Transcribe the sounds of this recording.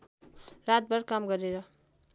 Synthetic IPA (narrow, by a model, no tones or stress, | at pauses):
ɾat̪̚bʌɾkamɡʌɾeɾʌ